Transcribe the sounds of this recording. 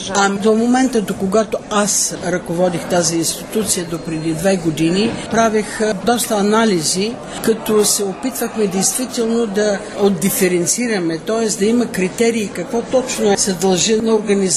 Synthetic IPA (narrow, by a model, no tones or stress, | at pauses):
ɐmd̪omomɛnt̪əd̪okoɡat̪oasɾɐkovɔd̪ixt̪aziːnst̪it̪ut̪sijəd̪opɾɛd̪id̪vɛɡod̪inipɾavixd̪ɔst̪ɐːnalizi | kɐt̪osɛopit̪vəxmɛd̪ɛjst̪vit̪ɛlˠnod̪ɐ | od̪d̪ːifɛɾɛnt̪siɾɐmɛt̪ɔɛsd̪ɐimɐkɾit̪ɛɾiːkɐkvɔt̪ɔt͡ʃnoɛsɛd̪ɐlˠʒinɐoɾɡɐniz